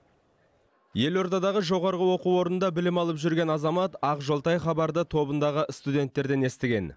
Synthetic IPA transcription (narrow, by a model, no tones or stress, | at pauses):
je̞lo̞ɾd̪ɑd̪ɑʁəʒo̞ʁɑɾʁəwo̞quwo̞ɾnənd̪ɑbɪlɪmɑlˠəpʒʏɾɡʲe̞nɑzɑmɑt̪ɑqʒolˠt̪ɑjχɑbɑɾd̪ət̪ʰo̞bənd̪ɑʁəst̪ud̪ʲe̞nt̪ːe̞ɾd̪e̞ne̞st̪ɪɡʲe̞̰n